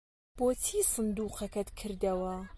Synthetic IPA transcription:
b̥oːt̪ʰiːsɨnd̪uːqɐkɐt̪kʰɨɾd̪ɐwɐ

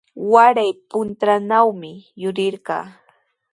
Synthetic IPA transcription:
waɾajpʊnt̪ɾanawmɪjʊɾɪɾɢɑ̰ː

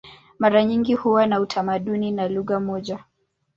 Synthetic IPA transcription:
maɾaɲiŋɡihuwanautʰamaɗuninaluɣamɔʄa

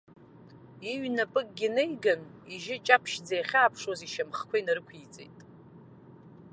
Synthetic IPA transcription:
iɥnapʼɨɡ̚ɡʲɪnejɡaniʒɪt͡ʃʼapʰʃd͡zajχʲaːpʰʂwaziʃamχkʷʰainarɨkʷʰit͡sʼḛjtʼ

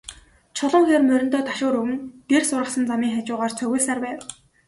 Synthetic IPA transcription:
t͡ɕʰɔɮɞ̆ŋxeːrmœɾʲɪ̆nt̪ɔːt̪ʰḁʃʊːɾɵɣɘ̆nt̪ersʊrʁə̆χsə̆nt͡samiːŋχat͡ɕʊːʁaːrt͡sʰœɣʲʊ̆ːɮsaːrpæːw

